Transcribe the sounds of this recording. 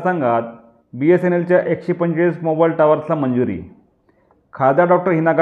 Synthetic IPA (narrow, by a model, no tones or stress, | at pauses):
sãŋɡat̪̚ | biesenelt͡ɕjaʔekɕepəɲɕesmobailʈaʋaɾt͡samənd͡zuɾḭː | kʰad̪jaɖɔk̚ʈəɾɦinaɡa